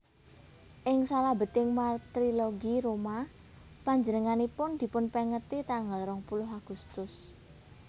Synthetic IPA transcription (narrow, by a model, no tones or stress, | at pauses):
ʔɪŋsalabə̤t̪ɪŋmat̪ɾiloɡiɾoma | paɲd͡ʒənəŋanipʊnd̪̥i̤pʊnpəŋət̪it̪aŋəlɾɔŋpulʊɦaɡ̥ust̪ʊs